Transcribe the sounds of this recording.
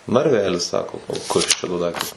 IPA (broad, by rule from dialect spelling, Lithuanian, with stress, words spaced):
nɐrʲˈʋʲæːlʲɪs ˈsɑːkoː kɐs ˈt͡ʃʲɛ doː ˈdɐɪktɐs